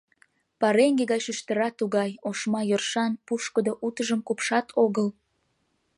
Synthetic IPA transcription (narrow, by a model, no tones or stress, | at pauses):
pɑɾeŋɡeɣɑt͡ɕyʃt̪əɾɑt̪ːuɣɑjoʃmɑjørʃɑnpuʃkəd̪oʔut̪əʒəmkupʃɑt̪ʰoɣəl